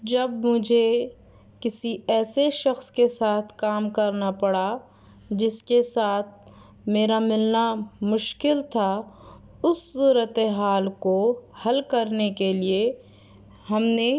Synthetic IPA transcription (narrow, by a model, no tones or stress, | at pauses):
d͡ʒɐbmʊd͡ʒʱe | kɪsiɛːseʃɐxskesaːt̪ʰkaːmkɐɾnapɐɽa | d͡ʒɪskesaːt̪̚ʰ | meːɾamɪlnamʊʃkɪlt̪ʰa | ʊsːuːɾət̪eɦaːlkohɐlkɐɾnekelie | hɐmne